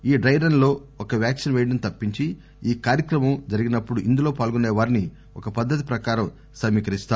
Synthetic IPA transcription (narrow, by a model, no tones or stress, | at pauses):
iːɖɾɐjɾɐnlo̞ːɔkɐʋjaːksinʋɛːɖɐnt̪ɐpːiɲt͡ʃi | iːkaːɾjɐkɾɐmɐmd͡ʒɐɾiɡinɐpːuɽuʔind̪ulo̞ːpaːlɡune̞ːʋaːɾni | ɔkɐpɐd̪ʱːɐt̪̬i̥pɾɐkaːɾɐm | sɐmːiːkɐɾist̪aː